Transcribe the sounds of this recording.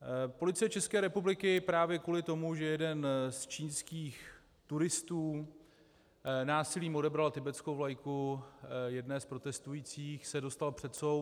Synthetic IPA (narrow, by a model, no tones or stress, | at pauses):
po̞lɪt͡sɪjɛt͡ʃɛskɛːɾɛpublɪkɪpɾaːvjɛkuːlɪt̪o̞muʒɛjɛdɛnst͡ʃiːnskiːx | t̪uɾɪst̪uː | naːsɪliːmo̞dɛbɾalt̪ɪbɛt͡skowvlajku | jɛdnɛːspɾo̞t̪ɛst̪ujiːt͡siːxsɛdo̞st̪alpr̥ɛt̪sow